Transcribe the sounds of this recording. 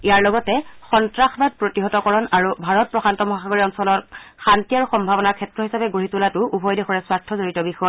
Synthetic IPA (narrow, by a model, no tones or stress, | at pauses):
ijaɹlɔɡɔtɛxɔntɹaxbad̚pɹotiɦɔtɔkɔɹɔnaɹubʱaɹɔt̚pɹɔxantɔmɔɦaxaɡoɹiɔnsɔlɔtxantijaɹuxɔmbʱabɔnakʰɛtɹɔɦisapɛɡoɹitulatʊubʱɔjdexɔɹɛswatʰːɔzoɹitɔbixɔa